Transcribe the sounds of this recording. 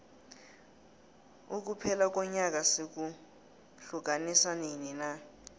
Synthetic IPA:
uk̬upʰɛlak̬ʼɔɲak̬ʼasik̬u | ɬuk̬ʼanisanenina

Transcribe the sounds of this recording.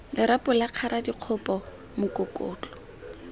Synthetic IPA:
lɪɾapʼʊlaq͡χʰaɾadiq͡χʰʊpɔ | mʊkʊkʊːt͡ɬʼɔ̥

